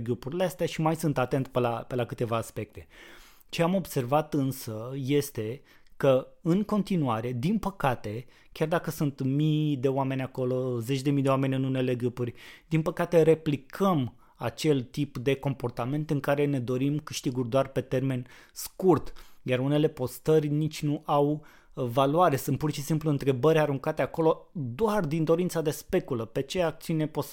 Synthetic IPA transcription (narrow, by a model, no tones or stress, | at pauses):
ɡupuɾʲileast̪eaʃimajsunt̪at̪e̞nt̪pelape̞lakɨt̪e̞vaːspe̞k̚t̪e̞ | t͡ʃe̞amo̞bse̞rvat̪ɨnsəje̞st̪e̞ | kəɨŋko̞nt̪inuaɾe̞d̪inpəkat̪e̞ | kʲard̪akəsunt̪mid̪e̞oame̞nʲako̞lo̞ze̞t͡ʃʲd̪e̞mijd̪ewame̞nʲɨnune̞le̞ɡupurʲd̪inpəkat̪e̞ɾe̞plikʰəm | a̰t͡ʃe̞lt̪ipd̪e̞ko̞mpo̞rt̪ame̞nt̪ɨŋkaɾe̞ne̞d̪o̞ɾimkɨʃt̪iɡurʲd̪oarpe̞t̪e̞rme̞n | skurt̪jaɾune̞le̞po̞st̪ərʲnit͡ʃʲnuʔaw | valwaɾe̞sunt̪̚purʃisimpluɨnt̪ɾe̞bəɾʲaɾuŋkat̪eako̞lo̞d̪oard̪ind̪o̞ɾint̪sad̪e̞spe̞kuləpe̞t͡ʃeak̚t̪siunepos